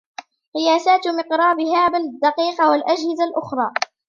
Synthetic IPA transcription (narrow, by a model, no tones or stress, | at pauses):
qɨjaːsaːt̪mɪqɾˤɑːbɪɦaːbad̪ːɑqiːqɑwalʔad͡ʒhɪzalʔʊxɾˤɑː